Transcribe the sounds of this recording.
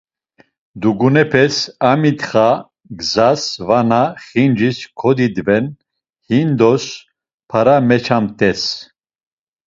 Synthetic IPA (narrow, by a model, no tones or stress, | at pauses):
d̪uɡunɛpʰɛsamit̪χa | ɡzasvanaχind͡ʒiskʰɔd̪id̪vɛn | hind̪ɔs | pʰaɾamɛt͡ʃʰamt̪ʼɛs